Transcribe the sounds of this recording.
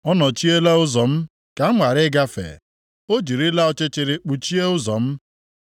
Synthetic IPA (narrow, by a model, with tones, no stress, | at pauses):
ɔ˦nɔ˨t͡ʃi˦e˦la˦ʊ˦zɔ˨m̩˦ | ka˨˦ŋʷa˨ɾɪ˦ɡa˦fḛ˨ | o˦d͡ʒi˨ɾi˦la˦ɔ˦t͡ʃe˦t͡ʃɪ˨ɾɪ˨k͡pu˨t͡ʃi˦e˦ʊ˦zɔ˨m̩˦